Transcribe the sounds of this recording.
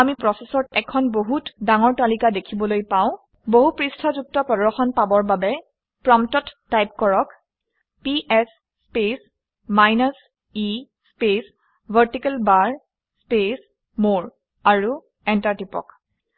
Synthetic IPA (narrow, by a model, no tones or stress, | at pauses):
amipɹɔsesɔtɛkʰɔnboɦutdaŋɔɹtalikadekʰibɔlojpaʊ̃ | boɦupɹistʰɔzuk̚tɔpɹɔdɔxɔnpabɔɹbabɛ | pɹɔmtɔtːajp̚kɔɹɔk | piʔɛsː | pes | majnas | i | spes | bʱaɹtikɛlbaɹ | spes | moɹ | aɹu | ɛntaɹtipɔ̰k